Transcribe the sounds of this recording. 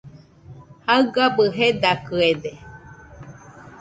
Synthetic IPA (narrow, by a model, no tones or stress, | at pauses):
haɯɡabɯɦed̪akɯed̪e